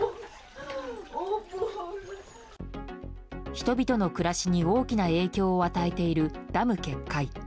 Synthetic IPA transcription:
çi̥t̪o̞bʲit̪o̞no̞kɯ̟ɾaɕiɲ̟io̞ːkʲinae̞ːkʲo̞ːat̪aet̪e̞iɾɯ̟d̪̥amɯ̟ke̞kːai

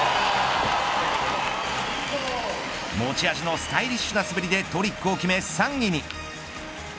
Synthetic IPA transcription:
moːt͡ɕiaʑino̞sɨ̥t̪aiɾʲiɕːɨnasɨbiɾʲid̪e̞t̪o̞ɾʲikːɯ̟o̞kʲime̞sãŋɡʲiɲ̟i

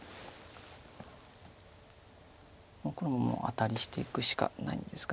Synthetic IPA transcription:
mokonomamo̰ʔa̰t̪aɾʲiɕi̥t̪e̞ikɯ̟ɕi̥ka̰na̰ḭ̃nd̪e̞sɨ̥ka

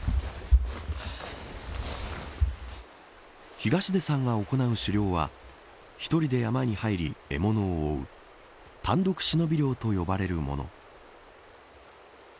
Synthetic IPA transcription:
çiɡaɕid̪e̞sãŋɡao̞ko̞naɯ̟ɕɨɾʲo̞ːβa̰ | çi̥t̪o̞ɾʲid̪e̞jamaɲ̟ihaiɾʲie̞̰mo̞no̞ːɯ̰ | t̪ʰãnd̪o̞kɯ̟̥ɕino̞bʲiɾʲjo̞ːt̪o̞jo̞baɾe̞ɾɯ̟mo̞̰no̞̰

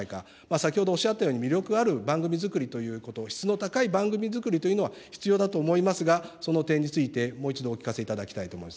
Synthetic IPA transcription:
ika̰ | maːsakʲihod̪o̞ːɕiat̪ːajoːɲ̟imʲiɾʲo̞kɯ̟aɾɯ̟bãŋɡɯ̟mʲizɨkɯ̟ɾʲit̪o̞jɯ̟ːko̞t̪o̞çi̥t͡sɨno̞t̪akaibãŋɡɯ̟mʲizɨkɯ̟ɾʲit̪o̞jɯ̟no̞βaçi̥t͡sɨjo̞ːd̪at̪o̞ːmo̞imasɨɡaso̞no̞t̪ẽ̞ɲ̟ːit͡sɨit̪e̞mo̞ːit͡ɕid̪o̞ːkʲi̥kase̞it̪ad̪akʲi̥t̪ait̪o̞ːmoimas

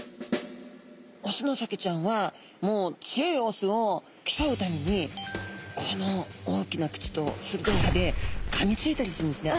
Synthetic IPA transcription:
osɨno̞saket͡ɕãɰ̃βa | mo̞ːt͡sɨjoio̞sɨo | kʲi̥saɯ̟t̪amʲe̞ɲ̟i | kʰono̞oːkʲinakɯ̟̥t͡ɕi̥t̪o̞sɨɾɯ̟d̪okad̪e̞kʰamʲit͡sɨit̪aɾʲisɨɾɯnd̪esɨne

